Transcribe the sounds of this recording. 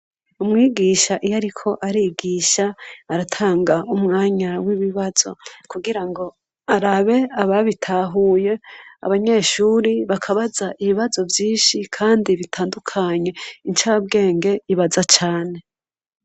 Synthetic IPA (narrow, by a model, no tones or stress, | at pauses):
umŋiːɡiʃaʔijaɾikʰo̞ʔaɾiɡiːʃaːɾatʰaːŋɡaumŋaːɲawiβiβaz̥o̞̰kuɡiɾaŋɡo̞ | aɾaβe̞aβaβitʰaɦuːje̞a̰βaɲe̞ʃuːɾiβakʰaβazaʔiβiβazo̞vjiːnʃikʰaːndiβitʰaːndukʰaɲe̞int͡ʃabɡe̞ːŋɡe̞iβazat͡ʃaːne̞